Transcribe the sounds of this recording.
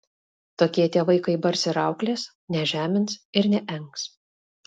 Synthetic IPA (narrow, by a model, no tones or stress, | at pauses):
t̪oːkʲiɛt̪ʲeɛʋɐɪkɐɪbɐɾʲsʲɪɾɑˑʊklʲeːs | nʲɛʒʲæːmʲɪnsɪɾnʲɛʔɛŋks